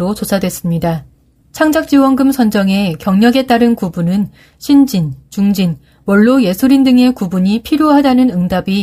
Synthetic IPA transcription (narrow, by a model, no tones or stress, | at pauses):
ɾot͡ɕosʰadwe̞s͈ɯmɲida | t͡ɕʰaŋd͡ʑak̚t͡ɕ͈iwʌnɡɯmsʰʌnd͡ʑʌŋe̞kjʌŋɲʌɡe̞t͈aɾɯnkubunɯn | ɕʰind͡ʑint͡ɕuŋd͡ʑin | wʌɭːoje̞sʰuɾindɯŋe̞kubuɲipʰiɾjoɦadanɯnɯŋdabi